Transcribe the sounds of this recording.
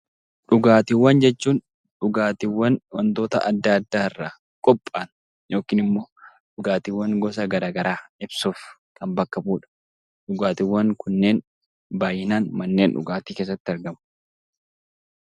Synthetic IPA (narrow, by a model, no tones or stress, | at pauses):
ᶑʊɡaːt̪ɪwːɐnd͡ʒɛt͡ʃːuːn | ᶑʊɡaːt̪ɪwːɐnwɐnt̪o̞ːt̪ɐ̰ʔɐd̪ːaːd̪ːaːɪrːa | kʼɔpʼːaːn | jo̞ːkiːnɪmːo̞ː | ᶑʊɡaːt̪ɪwːɐŋɡɔs̬ɐɡɐɾaːɡɐɾaːɪbsuːf | kɐmbɐkːɐbuːᶑɐ̥ | ᶑʊɡaːt̪ɪwːɐŋkʊnːe̞ːn | baːjɪnaːnmɐnːe̞ːnᶑʊ̰ɡaːt̪iːke̞ːs̬ːɐt̪ːɪɐɾɡɐmʊ